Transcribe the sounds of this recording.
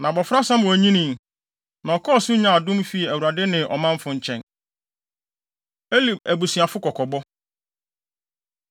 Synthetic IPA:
nã˨bɔ˨fɾa˦sã˦m˦wɔ˨æ˨ɲĩ˦nĩ˨m | nã˨ɔ˨kʰɔ˦ɔ˨sʊ˦ɲã˨a˨dʊ̃˦mfi˦˨æ˨wu˨ɾa˨dɪ˦nɪ̃˨ʔɔ̰˨mã˦m˦fʊ̃˨ɲ̩˨t͡ɕʰɛ̃˨n | e˦li˨bæ˨bu˨si˨a˨fʊ˦kɔ˨kʰɔ˨bɔ˦

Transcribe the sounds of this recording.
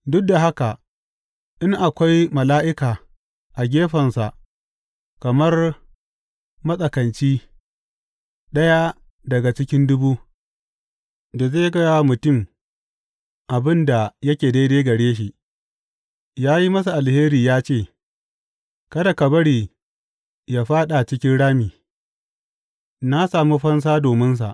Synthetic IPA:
dʊ˦k̚da˨ɦa˦ka˨ | ʔɪ˦ŋʔa˨kʷa˦jmɐ˨laː˦ʔɪ˦kaː˨ | ʔa˨ɡʲeː˦ɸɐ˨nsa˨ʔ | kɐ˨mɐ˦r | mɐ˦sʼɐ˨kɐ˨nt͡ʃiː˦ | ɗɐ˦ja˦ | dɐ˨ɡa˨t͡ʃɪ˦kʲɪ˦ndʊ˦buː˦ | da˨zeː˦˨ɡɐ˦ja˦mʊ˨tʊ˦˨m | ʔa˨bɪ˦nda˨jɐ˦kʲeː˨daː˦deː˦ɡɐ˨ɽeː˦ʃ̬i˨ʔ | jaː˦ji˦mɐ˦s̬a˨ʔa˨lheː˦ɾiː˨jaː˦t͡ʃeː˦˨ | kɐ˦da˨kɐ˨bɐ˦ɽiː˨ | jaː˦ɸaː˦ɗa˨t͡ʃɪ˦kʲɪ˦nɽaː˦miː˨ | na˦saː˨mu˦ɸɐ˦ns̬aː˦doː˨mɪ˦ns̬a̰˨ʔ

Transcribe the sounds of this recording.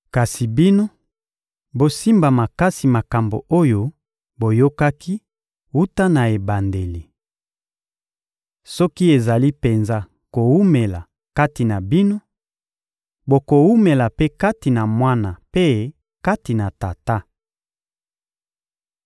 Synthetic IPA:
ka˨si˨bi˦no˦ | bo˨si˦mba˨ma˨ka˦si˨ma˨ka˨mbo̰˨o˦jo˦ | bo˨jo˦ka˦kʰi˦ | u˦ta˦na˨e˨ba˨nde˨li˨ | sɔ˦ki˦e˨za˨li˦pe˨nza˦ | ko˨wu˦me˨la˨ | ka˦ti˨na˨bi˦no˦ | bo˨ko˨wu˦me˨la˨pe˦ka˦ti˨na˨mwa˦na˨pe˦ | ka˦ti˨na˨ta˨ta˦

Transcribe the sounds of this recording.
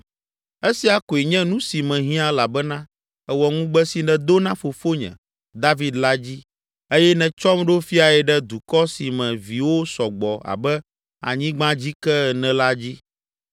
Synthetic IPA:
e˦si˨a˨ko˨e˨ɲɛ̃˦nũ˦si˨mɛ̃˨ɦĩ˦a˦la˨bɛ˦nã˦ | ɛ˨wɔ˨ŋũ˦ɡ͡bɛ˦si˨nɛ̃˨d̪o˦nã˦fo˨fo˦ɲɛ̰̃˨ | d̪a˦vi˦d̪la˦d͡ʑi˦ | e˦jɛ˦nɛ̃˨t͡ʃɔ˦mɖo˦fi˦a˨ɛ˨ɖɛ˦d̪u˨kɔ˦si˨mɛ̃˨vi˨wo˦sɔ˨ɡ͡bɔ˨a̰˨bɛ˦ | a̰˨ɲĩ˦ɡ͡bã˦d͡ʑi˦kɛ˦˨nɛ̃˨la˦d͡ʑi˦

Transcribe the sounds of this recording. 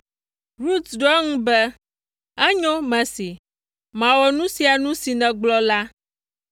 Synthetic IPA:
ɾu˦t̪sɖɔ˦ɛ˦ŋũ˦bɛ˦ | ɛ˦ɲɔ̃˦mɛ̃˨si˨ | mã˨wɔ˨nũ˦si˨a˨nũ˦si˨nɛ̃˨ɡ͡blɔ˦la˦

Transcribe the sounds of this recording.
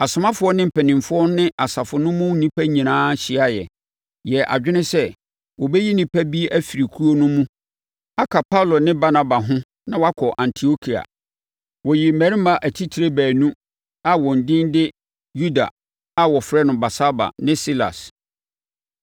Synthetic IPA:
a˨sʊ˨mã˦fʊ˨˦ɔ˦nɪ̃˦m̩˨pʰɛ˨nɪ̃˨mfʊ˦ɔ˦nɪ̃˦ʔa˨sa˨fʊ˨nʊ̃˦mʊ̃˦nĩ˦pʰæ˦ɲĩ˨nãː˦ɕɪ˨a˦jɛ˨ | jɛ˨ʔa̰˨d͡ʑᶣɪ˦nɪ̃˦sɛ˦ | wɔ˨bɛ˦ji˦nĩ˦pʰæ˦bi˦ʔæ˦fi˨ɾi˨kʰu˦o˦nʊ̃˦mũ˦ | a˦kʰa˨pʰa˦lɔ˨nɪ̃˦ba˦na˨ba˨ɦʊ̃˦ | nã˦wa˦kʰɔ˨ʔã˨ntʰi˨o˦kʰi˨a̰˨ | wɔ˨ji˨m̩˨mæ˨ɾi˦mã˨ʔæ˨tʰi˦tʰi˨ɾe˦bæː˨nũ˦ | a˨wɔ̃˨n̩˨dɪ̃˦ndɪ˦ | ju˦da̰˨ | a˨wɔ˨fɾɛ˦nʊ̃˨ba˨sa˦ba̰˨nɪ̃˦si˦la̰˨s

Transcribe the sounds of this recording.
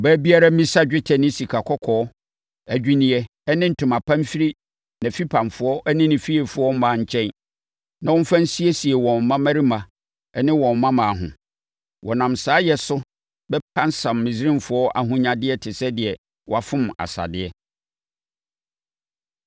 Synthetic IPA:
bæ˦bi˦a˦ɾa˦mĩ˦sa˦d͡ʑᶣɪ˦tʰɛ˨nɪ̃˦si˨kʰa˨kʰɔ˦kʰɔː˨˦ | æ˨d͡ʑᶣi˦nĩ˨ɛ˨˦ | nɪ̃˦n̩˨tʰʊ̃˨ma˨pʰã˦m˦fi˦ɾi˦ | nã˨fi˦pʰã˨mfʊ˨˦ɔ˦ʔɛ˦nɪ̃˦nɪ̃˨fi˦ɛ˨fʊ˨˦ɔ˦m˦mã˨˦˨ɲ̩˨t͡ɕʰɛ̃˦n | nã˨wɔ̃˦fã˦n̩˦si˦ɛ˦si˨ɛ˨wɔ̃˨m˨mã˦mæ˦ɾi˦mã˨ | ɛ˦nɪ̃˦wɔ̃˨mː˨ã˦mã˨ɦʊ̰̃˨ | wɔ˨nã˨msaː˨˦jɛ˨sʊ˦ | bɛ˦pʰã˦n˦sã˨mːɪ̃˨sɾɪ̃˦mfʊ˨ɔ˦ʔa̰˨ɦʊ̃˦ɲã˨dɪ˦ɛ˦tʰɪ˨sɛ˦dɪ˨ɛ˨ | wɔ˦a˨fʊ̃˦ma̰˨sa̰˨dɪ˦ɛ˦

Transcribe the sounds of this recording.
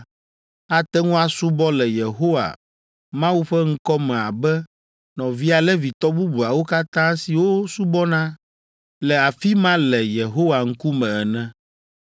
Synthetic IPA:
a˨t̪ɛ˦ŋũ˦a˨su˦bɔ˦lɛ˨je˨ɦo˦wa̰˨ | mã˦wu˦ɸɛ˦ŋ̩˦kɔ˦mɛ̃˨a˨bɛ˦ | nɔ̃˨vi˦a˨lɛ˦vi˨t̪ɔ˦bu˦bu˨a˨wo˦ka˦t̪ã˦si˨wo˦su˦bɔ˦nã˦ | lɛ˨a˨fi˦mã˦lɛ˨je˨ɦo˦wa˨ŋ̩˦ku˦mɛ̃˨ɛ˨nɛ̃˦

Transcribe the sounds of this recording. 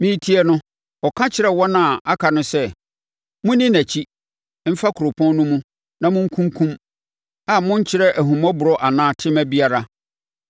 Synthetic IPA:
mĩ˦tʰi˦ɛ˦nʊ̃˦ | ɔ˨kʰã˦t͡ɕʰɪ˨ɾɛ˦wɔ˦nã˨a˦kʰa˨nʊ̃˦sɛ˦ | mʊ̃˦nĩ˦næ˨t͡ɕʰi˦ | m̩˦fa˦kʰʊ˨ɾo˨pʰɔ̃˦n˦nʊ̃˦mũ˦ | nã˨mʊ̃˦ŋ̩˦kʰũ˦ŋkʰũ˦m | a˦˨mʊ̃˦ɲ̩˦t͡ɕʰɪ˦ɾɛ˦ʔæ˨ɦũ˨mɔ̃˦bʊ˨ɾɔ˦ʔa˨nãː˦tʰɪ̃˦mæ˦bi˦a˨ɾa˦

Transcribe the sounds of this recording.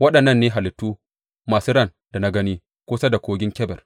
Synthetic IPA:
wɐ˦ɗɐ˨nːɐ˦nːeː˦ɦa˨lɪ˨tːuː˦ | maː˨suː˦ɽɐ˦˨n | d̥a˨na˦ɡɐ˦niː˦ | kʷʊː˦sɐ˦da˨kʷoː˦ɡʲɪ˦ŋkʲɛ˦bɛ˨r

